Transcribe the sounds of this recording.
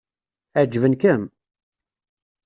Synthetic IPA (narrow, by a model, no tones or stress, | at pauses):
æd͡ʒvənkəm